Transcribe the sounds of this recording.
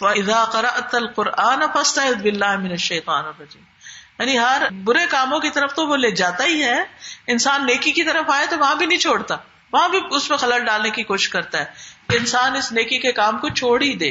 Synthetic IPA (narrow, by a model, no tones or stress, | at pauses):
fɐʔɪðaːqɑɾɐʔt̪ɐlqʊɾʔaːnfɐst̪ɐɦɪd̪bɪlːaːɦmɪnɐʃːɐːt̪aːnɐrːɐd͡ʒḭːmjaːniɦɐɾbʊɾekaːmõkit̪ɐɾəft̪oʋoleːd͡ʒaːt̪aɦiɦɛːɪnsaːnːeːkikit̪ɐɾəfaːet̪oʋɐɦãbʱinɐɦĩt͡ʃʰoːɽt̪aː | ʋɐɦãbʱiʊsmẽxɐləlɖaːlnekikoːʃɪʃkɐɾt̪aɦɛːkeɪnsaːnɪsneːkikekaːmkot͡ʃʰoːɽid̪ḛː